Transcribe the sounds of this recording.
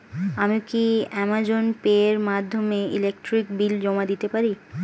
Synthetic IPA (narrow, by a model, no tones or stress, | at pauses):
amikiɛmad͡ʑonpeɾmad̪ʱːomeilek̚ʈɾikbild͡ʑɔmad̪it̪epaɾi